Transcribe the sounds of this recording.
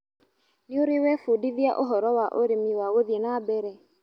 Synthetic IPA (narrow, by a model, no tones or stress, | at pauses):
nɪoɾewɛfodiðiaʔoɦɔɾɔwaʔoɾemiwaɣoðienabɛɾɛ